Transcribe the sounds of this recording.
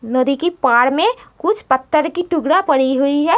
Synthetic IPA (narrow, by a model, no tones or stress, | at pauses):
nəd̪ikipaːɽmẽkʊt͡ʃʰpɐt̪ʰːəɾkiʈʊɡɽapɐɽiɦʊiɦɛː